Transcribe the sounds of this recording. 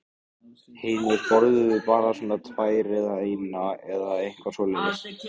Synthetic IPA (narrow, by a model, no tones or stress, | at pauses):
hɪːnɪɾpɔɾðʏvɪpaːɾasɔːnat̪ʰvaːjɾɛðaejmnaɛðaejŋ̥kʰvasɔːlinɪs